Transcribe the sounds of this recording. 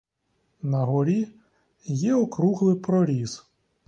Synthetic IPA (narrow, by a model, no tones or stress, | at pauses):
nɐɦɔɾʲi | jɛɔkɾuɦlˠɪpɾɔɾʲiz̥